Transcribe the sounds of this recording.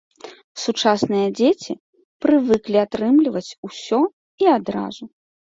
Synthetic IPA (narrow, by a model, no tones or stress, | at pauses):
sut͡ʂasnɨjɐd͡zʲet͡sʲi | pɾɨvɨklʲiat̪ɾɨmlʲivɐt͡sʲusʲɔ | iad̪ɾa̰zu